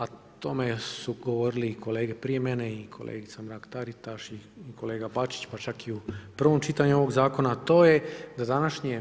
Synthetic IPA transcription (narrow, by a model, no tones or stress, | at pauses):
at̪o̞me̞suɡo̞ʋo̞ɾilikʰo̞le̞ːɡe̞pɾije̞mene̞ikʰolˠʔḛːɡit̪samɾaːkt̪aɾit̪aʃiːkʰo̞le̞ːɡabat͡ʃi̥t͡ɕpat͡ʃakiupr̩ʋo̞mt͡ʃit̪aɲuo̞ʋo̞ɡzaːko̞naːt̪o̞ːje̞d̪ad̪anaʃɲe